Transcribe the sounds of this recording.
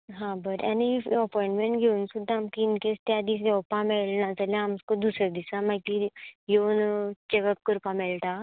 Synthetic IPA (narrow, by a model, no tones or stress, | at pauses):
ɦãbəɾaniəpɔĩɳʈmẽɳʈɡʱeunsud̪ʱːaːmkinkest̪jad̪is̬ɔwpamelnad͡zəlẽamskod̪used̪isamak̪ijont͡ɕekəp̚kəɾpamelʈa